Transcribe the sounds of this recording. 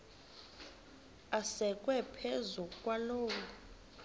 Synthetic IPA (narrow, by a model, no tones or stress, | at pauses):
asɛk̬ʼwɛpʰezukʼwaloːku